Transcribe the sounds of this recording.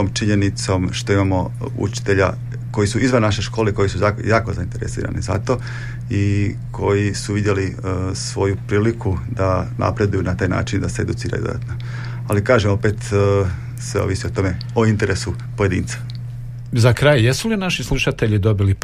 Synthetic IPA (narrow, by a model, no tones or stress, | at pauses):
omt͡ʃiɲe̞nit̪so̞mʃt̪o̞imamo̞ | ṵt͡ʃi̥t̪eʎa̰ | ko̞jisuizʋannːaʃeʃko̞ːleko̞jisujaːkjaːko̞zaint̪e̞ɾḛsḭːɾa̰nḭza̰t̪o̞ | i | kʰo̞jisuʋid̪je̞lisʋo̞jupɾiːlikʰud̪anʔa̰pɾe̞d̪ujunat̪aːjna̰ːt͡ʃind̪aseed̪ut̪siːɾa̰jud̪od̪a̰t̪no | alikaːʒemo̞pet̪ | sʋeo̰ʋisio̞t̪o̞me̞ | oint̪e̞ɾʔesu | po̞jed̪ḭːnt̪sḁ | zakɾajjesulinaʃislˠuʃat̪e̞ʎid̪o̞bili